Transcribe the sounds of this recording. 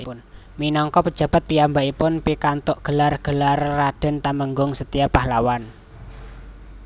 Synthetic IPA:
ʊn | minɔŋkɔpəd̥ʒ̥a̤b̥a̤t̪̚piambaipʊnpikant̪ʊʔɡ̥əlarɡ̥əlarːad̥ə̤nt̪aməŋɡʊŋsət̪ijapahlawan

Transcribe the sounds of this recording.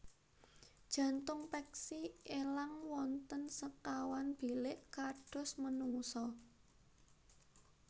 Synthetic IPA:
d̥ʒ̥ä̤nt̪ʊŋpɛksielaŋwɔnt̪ənsəkawanb̥i̤lɪʔkaɖ̥ʊ̤smənuŋsɔ

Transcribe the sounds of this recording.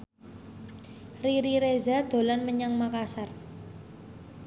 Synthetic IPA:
riɾiɾezad̪̥o̤lanməɲaŋmakasar

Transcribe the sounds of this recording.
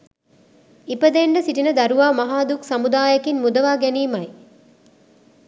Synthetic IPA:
ipəd̪eɳɖəsiʈinəd̪ɐɾuʋaːmɐɦaːd̪uksamud̪aːjɐkinmud̪əʋaːɡæniːmɐj

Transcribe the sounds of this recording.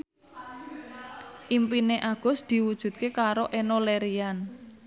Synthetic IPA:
ʔimpineʔaɡ̥ɔ̤sd̪̥i̤wud̥ʒ̥ṳt̪̚kekaɾoʔenoleɾian

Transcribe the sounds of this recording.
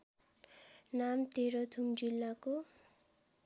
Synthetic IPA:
namt̪eɾʌt̪ʰumd͡zilːako

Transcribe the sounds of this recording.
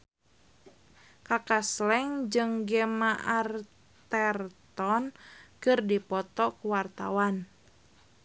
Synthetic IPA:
kakaslɛŋd͡ʒɨŋɡɛmaʔar | t̪ɛrt̪ɔnkɨrdipɔt̪ɔkuwart̪awan

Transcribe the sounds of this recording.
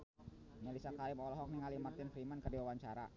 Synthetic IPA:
ɲalisakaɾɪmɔlɔɦɔk̚niŋalimart̪ɪnfɾimankədiwawaɲt͡ʃaɾa̰

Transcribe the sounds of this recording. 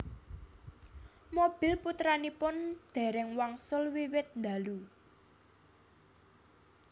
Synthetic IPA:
mob̥i̤lput̪ɾanipʊnd̪̥ɛ̤ɾɛŋwaŋsʊlwiwɪt̪̚nd̪a̤lu

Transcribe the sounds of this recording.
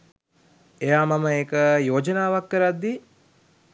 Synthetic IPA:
ejaːmaməeːkəjoːd͡ʒənaːʋakːəɾad̪ːi

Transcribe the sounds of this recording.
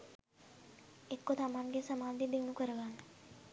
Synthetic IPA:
ekːot̪amaŋɡesɐmaːd̪id̪enukəɾəɡanːe

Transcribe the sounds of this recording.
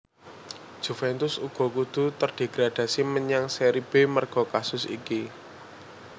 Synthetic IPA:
d̥ʒ̥ṳfɛnt̪ʊsuɡ̥ɔ̤kud̪̥ṳt̪ərɖ̥e̤ɡ̥ɾad̪̥ä̤siməɲaŋseɾib̥emərɡ̥ɔ̤kasʊsḭki

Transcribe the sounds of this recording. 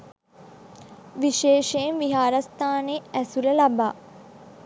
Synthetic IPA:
ʋiʃeːʃejnʋiɦaːɾɐst̪aːneːæsuləlaba̰ː

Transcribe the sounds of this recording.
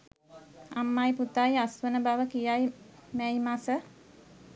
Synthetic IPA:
amːajput̪ajasʋənəbaʋəkijajmæjmasə

